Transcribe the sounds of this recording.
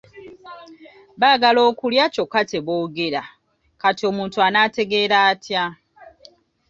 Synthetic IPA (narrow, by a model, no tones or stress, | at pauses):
βaːɡalo̞ːkuljaco̞kate̞βoːɡeɾa | katio̞ːmuːntuanaːte̞ɡe̞ːɾaːtʰja